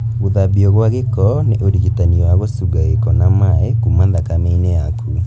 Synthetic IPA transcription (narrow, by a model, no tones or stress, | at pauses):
ɣuðabiɔɣwaɣekɔneʔoɾiɣitaniwaɣosuɡaɣekɔnamaekumandakanainejakʰu